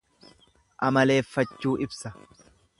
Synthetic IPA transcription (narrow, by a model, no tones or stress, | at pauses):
ʔɐmɐle̞ːfːɐt͡ʃːuːʔɪbsɐ